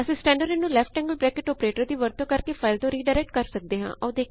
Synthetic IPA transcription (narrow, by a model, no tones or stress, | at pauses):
əsĩːsʈɛ̃ːɳɖəɾɪnũːlɛːpʰʈɛ̃ːŋɡəlbɾɛːkɪʈɔːpɾeːʈəɾd̪iːʋəɾt̪õːkəɾkeːfʰaːɪlt̪õːɾiːɖaːɾɛk̚ʈ̚kəɾsək̚d̪eːɦã̰ːʔɔːd̪eː